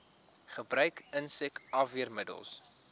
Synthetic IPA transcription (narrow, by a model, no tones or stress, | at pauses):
χəbrœɥkənsɛkɐfiərmədə̰lˠs